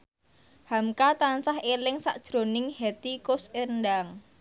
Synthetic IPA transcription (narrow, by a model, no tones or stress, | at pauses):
hamkat̪ansahelɪŋsa̰ʔd̥ʒ̥ɾo̤nɪŋhet̪ikʊsendaŋ